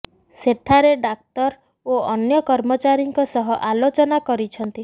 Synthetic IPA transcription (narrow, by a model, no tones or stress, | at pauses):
seʈʰaɾeɖak̚t̪ɔɾ | oɔnjɔkɔɾmɔt͡ʃaɾiŋkɔsɔɦɔʔalot͡ʃɔnakɔɾit͡ʃʰɔnt̪i